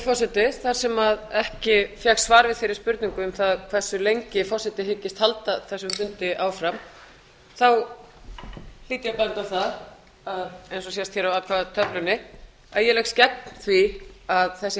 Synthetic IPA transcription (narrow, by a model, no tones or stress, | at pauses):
fɔrsɛt̪ɪθaɾ̥sɛmaðɛhcɪfjɛxsvaːɾvɪðθfejɾɪ̥ɾspʏɾt̪niŋkʏʏmθaðkʰv̥ɛ̥sːʏlejɲcɪfɔrsɛt̪ɪɦɪcːɪst̪halt̪aθɛsːʏmfʏnt̪ɪʔaːwfɾam | θaw | l̥iːt̪ɪjapant̪awθað | aðejnsɔsjɛst̪çɛɾawaːwt̪kʰaðat̪ʰœplʏnɪ | aðjɛlɛxscɛp̚nn̥θviaðθɛsːɪ